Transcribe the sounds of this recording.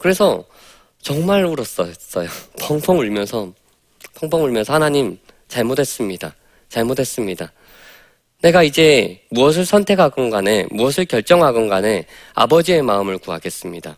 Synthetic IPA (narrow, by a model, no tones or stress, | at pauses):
kɯɾe̞sʰʌ | t͡ɕʌŋmaɭuɾʌs͈ʌs͈ʌjopʰʌŋpʰʌŋuɭmjʌnsʰʌ | pʰʌŋpʰʌŋuɭmjʌnsʰʌhanaɲim | t͡ɕaɭmotʰes͈ɯmɲida̰ | t͡ɕaɭmodʰe̞s͈ɯmɲida | ne̞ɡaid͡ʑe̞muʌs̬ʰɯɭsʰʌntʰe̞kʰaɡʌnɡane̞muʌs̬ʰɯɭkjʌɭt͡ɕ͈ʌŋɦaɡʌnɡane̞ | a̰bʌd͡ʑie̞maɯmɯɭkua̰ɡe̞s͈ɯmɲida